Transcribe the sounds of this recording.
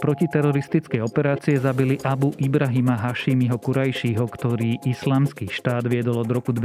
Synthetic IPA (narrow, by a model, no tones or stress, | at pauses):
pɾɔcit̪ɛɾɔɾist̪it͡skɛjɔpɛɾaːt͡siɛzabiliʔabuʔibɾaɦimaɦaʃimiɦɔkuɾajʃiːɦɔkt̪ɔɾiːʔislaːmskiːʃt̪aːd̪ʋɪɛd̪ɔlɔd̪ɾɔkud̪